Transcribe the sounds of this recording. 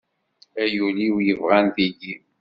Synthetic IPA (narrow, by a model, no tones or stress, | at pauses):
æjuliwjəvʁænθiɡi